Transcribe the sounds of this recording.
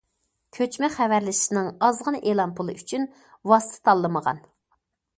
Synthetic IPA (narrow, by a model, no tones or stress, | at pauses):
kʲʰøt͡ʃmɛχævæɾlɪʃinɨŋɑzʁɑnʔelˠɑmpʰulˠɨ̰ʔyt͡ʃʰyn | wɑsɨ̥t̪ʰt̪ʰɑlˠːɨməʁɑ̰n